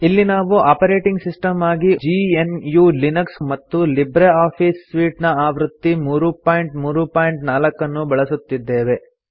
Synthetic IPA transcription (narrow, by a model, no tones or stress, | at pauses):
ilːinaːʋuʔaːpɐɾeːʈiŋɡsisʈɐmaːɡid͡ʒiːenjuːlinɐksmɐt̪ːulibɾeaːpʰiːsːʋiːʈnɐaːʋɾut̪ːimuːɾupaːjɳʈmuːɾupaːjɳʈnaːlɐkːɐnːubɐɭɐsut̪ːid̪ːe̞ːʋe̞